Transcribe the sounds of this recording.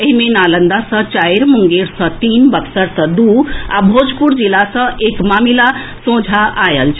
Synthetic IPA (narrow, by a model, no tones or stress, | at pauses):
emenalənd̪asət͡ɕajɾmuŋɡeɾsət̪iːnbəksəɾsəd̪ua̰bʱod͡zpuɾd͡ʑilasəʔekmamilasõd͡zʱaʔajəlt͡ʃ